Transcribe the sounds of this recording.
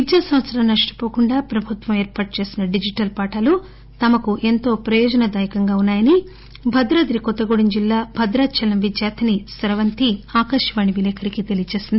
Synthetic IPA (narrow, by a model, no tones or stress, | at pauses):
ʋid̪jaːsɐmʋɐt̪sɐɾɐmnɐʂʈi̥poːkuɳɖaːpɾɐbʱut̪ʋɐmeːɾpaːʈ̚ut͡ʃe̞ːsinɐɖid͡ʒiʈɐlpaːʈɐlu | t̪ɐmɐkuʔe̞nt̪o̞ːpɾɐjɔːd͡ʒɐnɐd̪aːjɐkɐŋɡaːunːaːjɐni | bʱɐd̪ɾɐd̪ɾikɔt̪ːɐɡoɽiɲd͡ʒilːaːbʱɐd̪ɾaːt͡ʃʰɐlɐmʋid̪jaːt̪ʰɐnisɐɾɐʋɐnt̪iaːkɐʂɐʋaːɳiʋilɛːkʰɐɾikit̪e̞lijɐt͡ʃe̞ːsind̪i